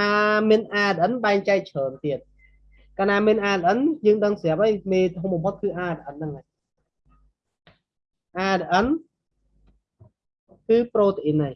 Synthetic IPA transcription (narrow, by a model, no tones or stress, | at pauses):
aːmiənʔaːɗ̪ʔənɓaɛŋt͡ɕaɛk̚t͡ɕʰəːnt̪iət̪̚ | kaːnaːmiənʔaːlʔənjəːŋɗəŋsɛaəp̚ʔəjmeːt̪ʰɦomɓɑmpʰot̪̚kɨːʔaːɾəʔənːɨŋaːj | ʔaːɾəʔən | kɨːproːt̪eʔinːaj